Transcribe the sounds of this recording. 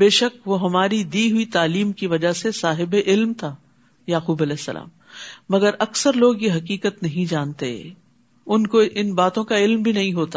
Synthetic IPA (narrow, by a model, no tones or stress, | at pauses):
beːʃək̚ʋoɦɐmaːɾid̪iɦuit̪aːliːmkiʋɐd͡ʒasesaːɦɪbeʔɪlmt̪ʰa | jaːxuːbɐlɛːsːɐ̰lʔa̰ːmː | ɐɡəɾɐksəɾloːɡjeɦɐkiːkət̪nɐɦĩd͡ʒaːnt̪ḛ | ʊnkoʔɪnbaːt̪õkaɪlmbʱinɐɦĩɦoːt̪a